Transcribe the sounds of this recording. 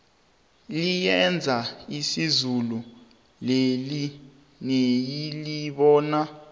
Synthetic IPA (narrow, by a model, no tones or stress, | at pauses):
lijɛnd͡zʱaisizulu | leli | nejiliɓɔːna